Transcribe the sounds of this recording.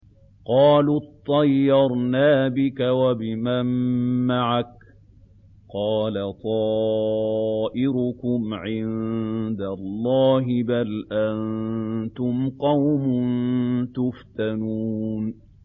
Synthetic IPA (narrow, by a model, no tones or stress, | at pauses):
qɑːlʊt̪ˤːɑjːɑɾˤnaːbɪkawabɪmamːaʕak | qɑːlat̪ˤɑː | ʔɪɾʊkʊmʕɪnd̪alˤːɑːɦɪbalʔant̪ʊmqɑwmʊnt̪ʊft̪anuːn